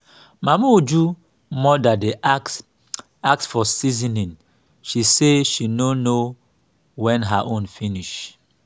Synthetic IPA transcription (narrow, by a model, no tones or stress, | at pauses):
mamaud͡ʒu | mɔdade | ak̚sfɔsizinĩn | ʃiseʃinono | wɛ̃nɦaʔõnfiniʃ